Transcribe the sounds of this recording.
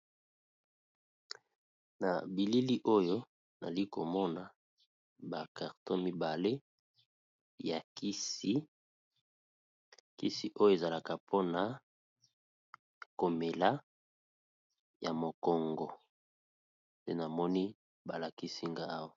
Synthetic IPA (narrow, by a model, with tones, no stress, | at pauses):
na̰˨bi˨li˦li˦ʔo˦jo˦ | na̰˨li˦ko˨mɔ˦na˨ | ba˨ka˨ʁtɔ̃˦mi˦ba˨le˦ | ja˨ki˦si˦ | ki˦si˦ʔo˦jo˦e˨za˨la˨ka˨pʰo˦na˨ | ko˨me˨la˦ | ja˨mo˨kɔ˨ŋɡɔ˨ | ndḛ˦na˨mɔ˦ni˦ | ba˨la˨ki˦si˦ŋɡa˦a˦wa˨